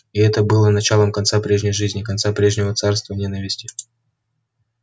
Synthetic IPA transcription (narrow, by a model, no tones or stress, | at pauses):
ɪɛt̪əbɨlˠənɐt͡ɕalˠəmkɐnt̪sapɾʲe̞ʐnʲɪjʐɨzʲnʲɪkɐnt̪sapɾʲe̞ʐnʲɪvət̪sarst̪vənʲe̞nəvʲɪsʲtʲɪ̥